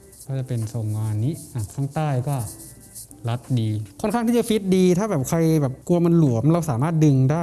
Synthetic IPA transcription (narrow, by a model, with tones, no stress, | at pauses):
kʰɔː˥˩t͡ɕa˨˩pe˧nso˨˩ŋːaː˧nːiː˦˥ʔa˧˩kʰaː˥˩ŋt̪aː˥˩jkɔː˥˩ | la˦˥t̪̚diː˧kʰnkʰa˥˩t̪ʰiː˥˩t͡ɕa˨˧˩fi˦˥t̪̚diː˧t̪ʰaː˥˩bɛː˨˩p̚kʰa˧jbɛː˨˩p̚ku˧ɐma˧nlu˨˩˦əmɾa˧wsaː˩˦maː˥˩t̪̚dɯ˧ŋdaː˥˩j